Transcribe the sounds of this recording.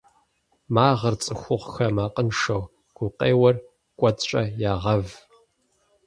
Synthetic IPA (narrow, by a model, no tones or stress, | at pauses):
maːʁɐrt͡sʼɨxʷʊʁʷxɐmaːqʼənʂɐw | ɡ̥ʷʊqʼeːwɐr | kʷʼɔtt͡ʃʼɐjaːʁɐv